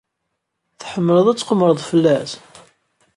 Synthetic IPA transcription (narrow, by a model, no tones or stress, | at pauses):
θħəmːələðˤæt͡sːqəmːɾˤəðˤfəlːæs